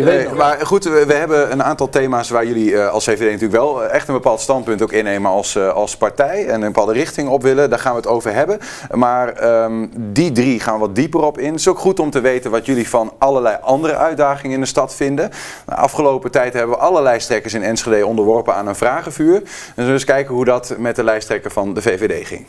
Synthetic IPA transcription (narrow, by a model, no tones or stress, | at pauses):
maχutʋəɦɛbəənaːntɑlˠtejmaːsʋaːɹjɵliɑ̰lˠsevedejnɑtyːləkʋɛlˠɛχtənbəpaːlˠtstɑnt̚pɵntowkɪnːejməɑlˠsɑlˠspaɹtɛjɛnənbəpaːlˠdərɪχtɪŋɔpʋɪlədaːɹχaːnʋəətowvəɹɦɛbən | maːrəmdidriχaːnʋɑt̚dipərɔpɪnətɪ̥sowkχutɔmtəʋejtənʋɑtjɵlivɑnʔɑləɹlɛjʔɑndərə̰ʔœɥdaːχɪŋəɪndəstɑtfɪndə̰ | ʔɑ̰fχəlowpətɛjtɦɛbəʋəʔɑləlɛjstrɛkəsɪnɛnsχedejɔndəɹʋɔɹpənaːnənvraːχəvyːɹ | nsnɪskɛjkəɦudɑtmɛt̚dəlɛjstrɛkəvɑndəvejvedḛjχɪ̰ŋ